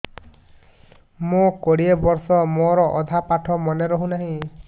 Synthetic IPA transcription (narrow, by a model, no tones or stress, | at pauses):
mokoɽiebɔɾsɔmoɾɔʔɔd̪ʱapaʈʰɔmɔneɾɔɦũnaɦĩ